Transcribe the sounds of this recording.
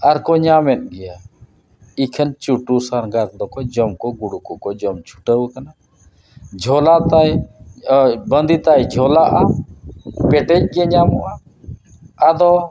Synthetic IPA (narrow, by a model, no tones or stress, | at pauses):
aɾkɔɲamɛt̪̚ˀɡɛja | ikʰənt͡ʃuʈusaɾɡaɾd̪ɔkɔd͡ʒɔmkɔɡuɽukukɔd͡ʒɔmt͡ʃʰu̥ʈəwkana | d͡ʒʱɔlat̪aj | bənd̪it̪ajd͡ʒʱɔlaʔa | pɛʈɛc̚ɡɛaɲamɔʔaː | d̪ɔ